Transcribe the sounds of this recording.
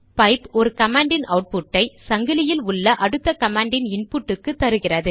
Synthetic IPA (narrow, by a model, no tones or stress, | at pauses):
pɐɪpɔɾɯkɐmaːɳɖɪnɐʊʈ̚pʊʈːɐɪsɐŋɡɯlɪjɪlʊɭːɐʔɐɽɯt̪ːɐkɐmaːɳɖɪnɪɳpuʈːɯkːɯt̪ːɐɾɯɣɪrɐðɯ